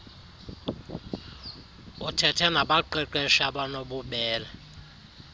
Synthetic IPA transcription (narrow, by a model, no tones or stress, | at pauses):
utʰɛtʰɛnaɓaǃɛǃwɛʃaɓanoɓuɓɛːla